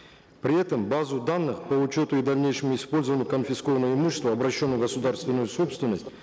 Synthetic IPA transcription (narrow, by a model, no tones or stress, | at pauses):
pɾʲɪɛt̪əmbazʊd̪anːɨχpəʊt͡ɕo̞t̪ʊɪd̪ɐvʲnʲejʂəmʊɪspo̞lʲzəvənʲɪjʊkənfʲɪsko̞vənːəvəɪmuɕːɪ̥st̪vəɐbɾɐɕːo̞nːəjʊɡəsʊd̪arst̪vʲɪnːʊjʊso̞pst̪vʲɪnːəsʲtʲ